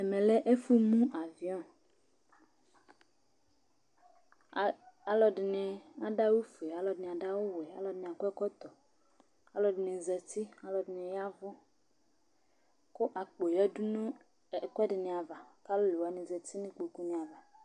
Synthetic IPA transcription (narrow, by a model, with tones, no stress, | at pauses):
ɛ˨mẽ˨lɛ˦ʔe˦fu˦mũ˦ʔa˨vi˨ɔ̃˦ | a˦lɔ˨ɖɪ˨nɪ̃˨a˨ɖa˦wo˦fe˨a˦lɔ˨dɪ˨nɪ̃˨a˨ɖa˦wo˦wɛ˨a˦lɔ˨dɪ˨nɪ̃˨a˨kɔ˦ɛ˦kɔ˦t̪ɔ˨ | a˦lɔ˨dɪ˨nɪ̃˨zɛ˨t̪i˦a˦lɔ˨dɪ˨nɪ̃˨ja˦vʊ˦ | kʊ˦ʔa˨k͡po˨jɛ˦du˦nũ˦˨ | kɛ˦dɪ˨nɪ̃˨a˨va˨ka˦lo˦le˨wa˨nɪ̃˨zɛ˨t̪i˦nɪ̃˦k͡po˨ku˦nẽ˨a˨va˨